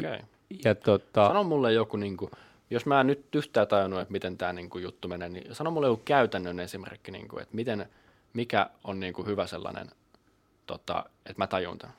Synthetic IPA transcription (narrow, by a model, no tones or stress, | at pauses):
okḛi | jɑt̪ot̪ːɑɑnomːulːejjokuniːŋku | josmæːnyt̪yht̪æːt̪ɑjunuet̪mit̪ent̪æːniːŋkujut̪ːumeneːnḭsɑnomːulejokukæyt̪ænːønensimḛrkːinḭːŋkṵḛt̪mit̪en | mikæ̰onniːŋkuhyʋæselːɑ̰nḛn | t̪o̰t̪ɑ̰et̪mæt̪ɑjṵnt̪æ